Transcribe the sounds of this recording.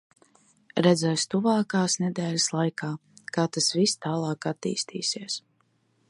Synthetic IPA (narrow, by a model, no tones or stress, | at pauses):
ɾɛd̪zɛjst̪uvaːkaːsnɛd̪ɛːlʲaslˠajkʰaːkaːt̪asvist̪aːlˠɑːkat̪ːḭːst̪ʰḭːsiɛs